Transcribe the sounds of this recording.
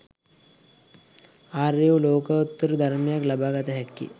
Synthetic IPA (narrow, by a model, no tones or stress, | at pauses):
aːreuloːkəut̪ːəɾəd̪ʱaɾmejaklabaːɡat̪əɦɛkːḭ